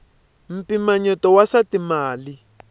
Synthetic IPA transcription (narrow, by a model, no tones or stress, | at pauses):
m̩pimaɲɔtɔwasatimaːli